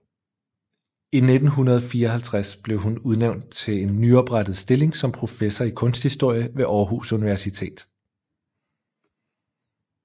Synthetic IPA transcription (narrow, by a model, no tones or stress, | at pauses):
ined̥n̩ɦunɐðˠfiːɐɒɦælt͡sʰʁasb̥le̝ʊɦunuð̞ˠneʊnd̥̚t͡sʰe̝le̝nːyɒ̽b̥ʁad̥ð̩ˠsd̥e̝le̝ŋsɒ̽mpʰʁo̝fesɒikʰɔ̽nsd̥hisd̥o̝ɐ̰jəʋe̝ʔɒːɦṵsuniʋæɐsit͡sʰe̝̰ːd̥